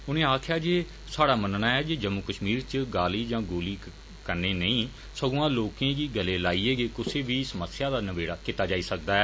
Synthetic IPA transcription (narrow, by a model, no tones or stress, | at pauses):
ʊnẽːaːkʰjaːd͡ʒeː | saːɽaːmənnaːɛːd͡ʒeːd͡ʒəmːʊkəʃmiːɾt͡ʃəɡaːliːd͡ʒãːɡoːliː | kəɾneːnəĩː | səɡoãːloːkẽːɡiːɡəleːlaːiːeːɡeːkʊsʰeːʋiːsəməsjaːd̪aːnəʋeːɽaːkɪt̪aːd͡ʒaːiːsək̚d̪aːɛː